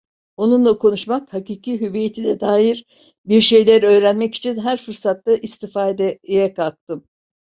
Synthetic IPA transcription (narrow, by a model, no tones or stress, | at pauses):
o̞nunlˠakʰo̞nuʃmakhakiːcʰiɦyvijet̪ʰid̪ɛd̪aːjiɾ | biɾʃe̞jlʲæɾø̞ːɾænmɛci̥t͡ʃʰinɦæɾfɯɾsat̪ːaʔist̪ʰifaːd̪ɛjɛkʰak̚t̪ɯm